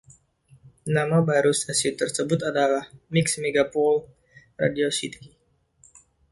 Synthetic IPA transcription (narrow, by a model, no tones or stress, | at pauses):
namabaɾust̪asit̪ərsəbʊt̪adalahmiksmeɡapɔl | ra̰diosit̪ʰi